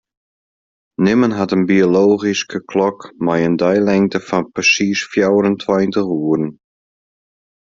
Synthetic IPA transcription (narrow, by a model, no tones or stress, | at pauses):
nɪmənɦatənbioloːɣiskʰəkʰlɔkmajəndœjlɛŋtəfɔnpəsiːsfjawɾəntʰwajntəxuəɾn̩